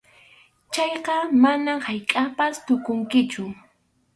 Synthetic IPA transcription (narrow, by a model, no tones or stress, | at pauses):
t͡ʃɑjqɑmanamhajkʼapast̪ʊkʊŋkɪt͡ʃʊ